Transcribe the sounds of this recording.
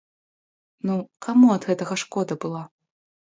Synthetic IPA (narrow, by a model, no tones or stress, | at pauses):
nukʰamuɐd̪ɣɛt̪ɐɣɐʂkɔd̪ɐbɨlˠa